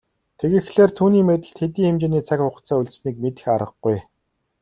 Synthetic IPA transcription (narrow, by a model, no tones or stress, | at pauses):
t̪ʰeɣɘ̆xɮeːrt̪ʰuːniːmet̪ɘ̆ɮt̪xet̪iːxemt͡ɕeːniːt͡sʰakʲχʊχt͡saːuɮʲsniːk̚met̪ɘ̆xaɾə̆χɡuj